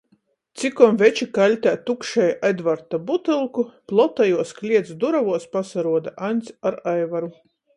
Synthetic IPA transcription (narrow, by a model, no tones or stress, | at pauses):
t̪sikɔmvʲɛt͡ʃikalʲt̪ʲaːt̪ukʃɛjʔed̪vaɾt̪abut̪ɨlˠkuplˠɔt̪ajuɔsklʲiɛt̪sd̪uɾavuɔspasaɾuɔd̪aʔanʲt̪sʲaɾajvaɾu